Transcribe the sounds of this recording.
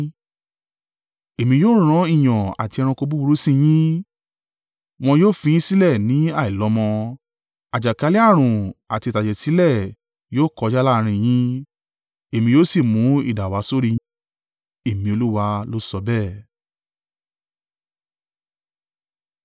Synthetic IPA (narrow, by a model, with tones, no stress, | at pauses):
e˨mĩ˧joː˦˨˦ɾ̃ã˦i˦˨j̃ɔ̃˨a̰˨ti˧ɛ˧ɾã˧ko˧bu˦bu˧ɾu˦sĩ˦j̃ĩ˦ | w̃ɔ̃˧joː˦˨fĩ˧˦ĩ˦si˦lɛ˦˨nĩ˨˦a˦˨i˨lɔ˨˦mɔ̃˧ | a˨d͡ʒa˨ka˨˦li˦a˦˨ɾ̃ũ˨a˨ti˧˨ta˨d͡ʒɛ˨si˨˦lɛ˦˨ | joː˦kɔ˧d͡ʒa˦la˦˧ɾ̃ĩ˧j̃ĩ˦ | e˦˨mĩ˧joː˦si˦˨mũ˨˦ḭ˦˨da˨wa˨˦so˦ɾi˦˧˦ | e˦˨mĩ˧o˧lu˦wa˧lo˦sɔ˧bɛ˦˨